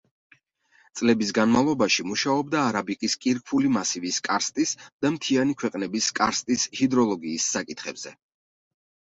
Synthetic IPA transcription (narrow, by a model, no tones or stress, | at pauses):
t̪sʼlɛbis̬ɡanmalˠɔbaʃimuʃaɔb̚d̪aːɾabikʼiskʼiɾkʰulimasiviskʼaɾst̪ʼisd̪̥amt̪ʰianikʰwɛqʼnɛbiskʼaɾst̪ʼishid̪ɾɔlˠɔɡiːsːakʼit̪ʰχɛbz̥ɛ